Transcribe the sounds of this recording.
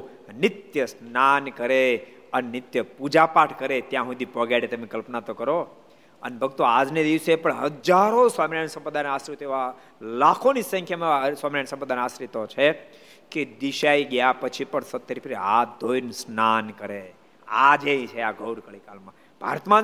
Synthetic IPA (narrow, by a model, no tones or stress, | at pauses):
nɪt̪jəsnankəɾe | ənenɪt̪jəpud͡ʒapaʈʰkəɾet̪jãɦũd̪ipɔɡaɽet̪emẽkəlpnat̪okəɾo | ə̰nebʱəɡt̪oad͡ʒned̪iʋsepəɳɦəd͡ʒaɾosʋaminajnsə̃mpɾd̪ʱaneasɾit̪eʋa | lakʰonisə̃ŋkʰjamsʋaminajnsə̃mpɾəd̪anasɾit̪ot͡ʃʰe | ked̪iʃaiɡjapət͡ʃʰipəɳsət̪ːəɾipʰɾead̪ojnsnankəɾe | ad͡ʒeĩt͡ʃʰeaɡʱəwɾkəɭikalmã | b̥ʱa̰ɾt̪mã